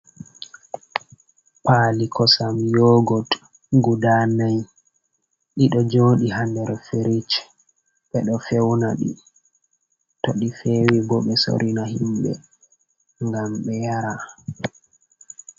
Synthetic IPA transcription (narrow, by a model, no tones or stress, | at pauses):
paːlikɔsamjɔːɡɔt | ɡudaːnaj | ɗiɗɔd͡ʒoːɗiɦandɛɾfeɾit͡ʃ | ɓɛɗɔfɛwnaɗḭ | toɗifewibɔɓɛso̰ɾinahimɓɛ̰ | ŋɡamɓɛjaɾa